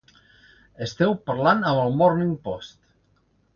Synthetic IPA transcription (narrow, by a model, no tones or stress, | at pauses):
est̪ɛwpəɾlanəməlˠmɔɾniŋpɔst̪